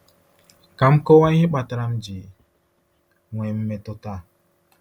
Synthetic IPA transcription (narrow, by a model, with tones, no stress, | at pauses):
ka˨˦mko˦wa˦i˦he˦ɓa˨ta˦ɾa˦md͡ʒi˨ | ŋwʷɛ˨mː˦ɛ˨to˦ta˦˨